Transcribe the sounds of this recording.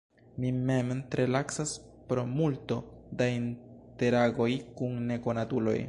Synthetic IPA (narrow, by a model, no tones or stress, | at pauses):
mimemtɾelaksas | pɾo̞multo̞dainte̞ɾaɡo̞jkunːe̞ko̞natulo̞̰j